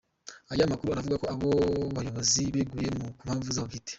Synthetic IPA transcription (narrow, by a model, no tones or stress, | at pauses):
ajamakuɾuaɾavuɡako̞aβoβajo̞βoziβeɡuje̞mukumhaːɱvuzaoɡite̥